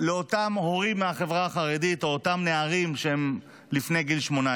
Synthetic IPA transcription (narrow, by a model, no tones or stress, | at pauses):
leotamho̞ʁimːeaχe̞vʁaːχaʁedito̞otamneaʁimʃehem | lifne̞jɡilʃmona